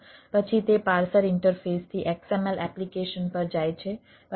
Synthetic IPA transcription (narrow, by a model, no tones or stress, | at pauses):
pət͡ʃʰit̪epaɾsəɾɪɳʈəɾfest̪ʰiʔɛksɛmɛlɛplikeʃənpəɾd͡ʒajt͡ʃʰe | p